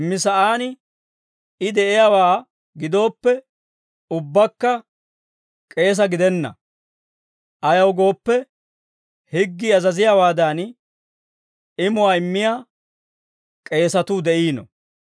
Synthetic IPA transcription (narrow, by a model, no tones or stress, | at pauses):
mːɪsɐʔaːnɪ | ɪd̪ɛʔɪjawaː | ɡɪd̪o̞ːpːɛ | ʊbːɐkːɐ | kʼe̞ːs̬ɐɡɪd̪ɛnːɐ̰ | ʔɐjɐwɡo̞ːpːɛ | hɪɡːiɐzɐzɪjaːwaːd̪an | ɪmʊwaːɪmːɪjaː | kʼe̞ːsɐt̪ʊd̪ɛʔiːnɔ̰